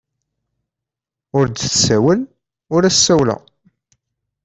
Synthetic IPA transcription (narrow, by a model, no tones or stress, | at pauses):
ʊɾd̪θsæwəl | ʊɾæsːæwlə̰